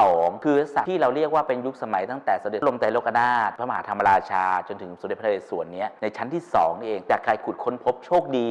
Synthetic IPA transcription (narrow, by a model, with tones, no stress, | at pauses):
ɔː˩˦ŋkʰɯː˧˦˧sa̰˨˩iː˥˩ɾa˧wɾi˥˩ək̚waː˥˩pe˧nju˦˥k̚sa˧ma˨˩˦jt̪a˥˩ŋt̪ɛː˨˩sa˧˦de˨˩˦lo˧mt̪a˧lo˦˥kʔa˧naː˥˩t̪̚ʰa˦˥ma˧ɦaː˩˦t̪ʰa˧mːa˧ɾaː˧t͡ɕʰaː˧t͡ɕo˧nt̪ʰɯ˩˦ŋso˨˩˦de˨˩pʰːeː˨˩su˨˩˦ənːi˦˥ɐna˧jt͡ɕʰa˦˥nt̪ʰiː˥˩sɔ̰ː˩˦ŋn˥˩ʔeː˧ŋt͡ɕaː˨˩kʰːaː˧jkʰu˨˩t̪̚kʰo˧npʰo˦˥p̚t͡ɕʰoː˥˩k̚diː˧